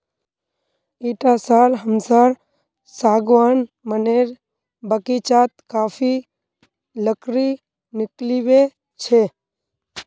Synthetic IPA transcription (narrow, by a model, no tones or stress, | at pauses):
iːʈasaːlɦəmsaːɾ | saːɡʋaːn | məneːɾ | bəkit͡ʃaːt̪kaːfʰi | ləkɾi | nɪkliʋe | t͡ʃʰe